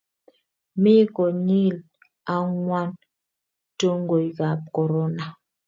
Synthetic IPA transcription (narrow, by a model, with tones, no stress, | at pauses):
mi˦kɔ˨ɲi˦˨l | a˦ŋwa˦n | to˦ŋɡo˨jka˨p̚kɔ˨ɾɔ˦na˨